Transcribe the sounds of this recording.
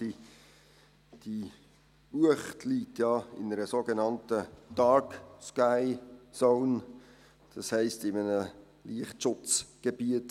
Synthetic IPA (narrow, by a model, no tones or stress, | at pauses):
i | d̥i | uəχtliːtjɑːɪ̰nəɾəsoɡenɑntəd̥ɑɹkskaɪsoʊn | d̥ɑshɛɪstɪmənə | liəχtʃʊt͡sɡ̥ebiət